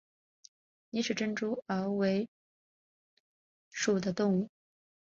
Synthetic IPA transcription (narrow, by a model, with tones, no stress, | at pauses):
ni˧˥ʂɻ̩˥˩ʈ͡ʂə˥nʈ͡ʂu˥ə˧˥we˧˥ɪ | ʂu˨˩d̪ə˦t̪ʊ˥˧ŋu˥˩